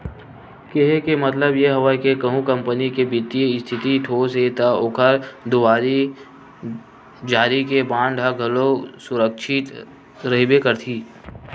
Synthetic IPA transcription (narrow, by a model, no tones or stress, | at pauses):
keɦekemɐt̪ləbjeɦɐʋakekəɦũkɐ̃mpənikebɪt̪ieɪst̪ʰɪt̪iʈʰoːset̪aʊkʰəɾd̪ʊʋaːɾi | d͡ʒaːɾikebãːɳɖʱaɡʱɐlosʊɾəkʃʰɪt̪ | ɾɐɦbekəɾt̪ʰiː